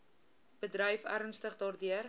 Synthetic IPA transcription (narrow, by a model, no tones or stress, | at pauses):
b̥ədɾəjfæɾənstəχdɑːrdyər